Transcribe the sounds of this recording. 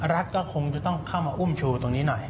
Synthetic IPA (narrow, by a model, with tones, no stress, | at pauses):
ɾa˦˥t̪̚kɔː˥˩kʰo˧ŋt͡ɕa˨˩t̪ɔ˥˩ŋkʰaː˥˩wmaː˧ʔu˥˩mt͡ɕʰuː˧t̪o˧ŋniː˦˥nɔ˨˩j